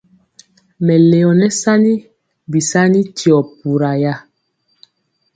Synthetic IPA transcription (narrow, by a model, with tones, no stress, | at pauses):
mɛ˨le˨ɔ˨nɛ˦sa˦ni˦ | bi˨sa˦ni˦ti˨ɔ˨p̚u˨ɾa˨ja˦